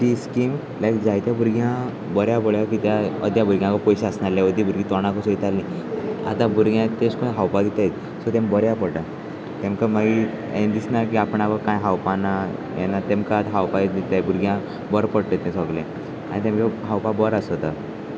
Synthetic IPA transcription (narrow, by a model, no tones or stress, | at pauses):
t̪iskiːm | lajkd͡zajt̪jabʱuɾɡʱjã | bəɾjaboɭjakit̪jaə̰d̪ʱjabʱuɾɡʱjãkɔpɔjɕaəsnaɾljaʋəd̪ʱibʱuɾɡit̪ɔɽ̃ãkɔsoit̪alːĩ | a̰t̪ãbuɾɡjãt̪eskõnɦawpad̪it̪ajt̪ | sɔt̪ẽmbəɾjapəɽʈa | t̪ẽmkamaɡi | ḛ̃d̪isnakiapəɳaʋəɾkãjɦawpanaja̰nːat̪ẽmkaːt̪ɦawpajd̪it̪ajbuɾɡʱjã | bəɾpəɽt̪et̪ɛ̃sɔɡlẽ | a̰ɽ̃it̪ẽmkeɦawpabəɾasɔt̪a